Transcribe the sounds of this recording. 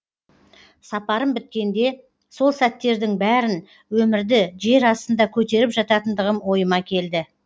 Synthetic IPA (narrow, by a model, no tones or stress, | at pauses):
sɑpɑɾəmbɪt̪̚kʲe̞nd̪e̞ | so̞lˠsæt̪ːe̞ɾd̪ɪŋbæɾɪn | wɵmɪɾd̪ɪʒe̞ɾɑst̪ənd̪ɑkʲʰɵt̪e̞ɾɪpʒɑt̪ɑt̪ənd̪əʁəmwo̞jəmɑkʲʰe̞ld̪ɪ